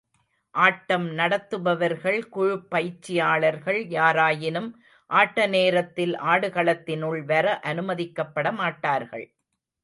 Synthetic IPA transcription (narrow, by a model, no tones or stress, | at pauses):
ʔaːʈːɐmnɐɽɐt̪ːɯbɐʋɐɾɣɐɭkʊɻʊpːɐjt͡ʃːɪjaːɭɐɾɣɐɭjaːɾaːjɪnɯm | ʔaːʈːɐneːɾɐt̪ːɪlʔaːɽɯɣɐɭɐt̪ːɪnɯɭʋɐɾɐʔɐnɯmɐðɪkːɐpːɐɽɐmaːʈːaːɾɣɐ̰ɭ